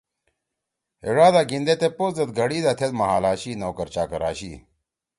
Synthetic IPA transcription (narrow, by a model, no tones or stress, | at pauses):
eɽaːd̪aːɡind̪et̪eposd̪ɐt̪ɡɐɽiːd̪at̪ʰet̪mɐɦaːlaːɕiːnoːkɐɾt͡ɕaːkɐɾa̰ːɕiː